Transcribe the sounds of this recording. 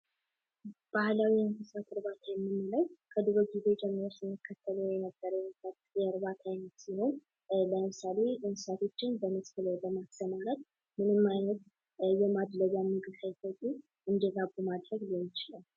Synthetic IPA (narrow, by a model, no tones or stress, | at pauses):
b̥ahlawianfəsat̪ʰɨɾbat̪ʰajɛmːɨnːɨləwkʰəd̪ɨɾoɡized͡ʒɛmːəɾo̞sɨnːəkːət̪ʰːələwjɛnəbːəɾəwjɛnəsat̪jɛɨɾbat̪ʰajnət̪siho̞n | ləmɨsale̞ʔɨnsat̪ʰo̞t͡ʃːɪnbəməsʼkɨləwbəmasəmaɾat̪̚ | mɨnɨmːajnət̪ | jɛmad̪ləɡjamːɨkʼɨsəjt̪əkʼi | ɨnd̪əɡabumad̪ɾəɡlmt͡ʃɪlal